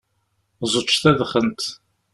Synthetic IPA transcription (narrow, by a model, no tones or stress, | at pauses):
zˤət͡ʃːθæðχənt̪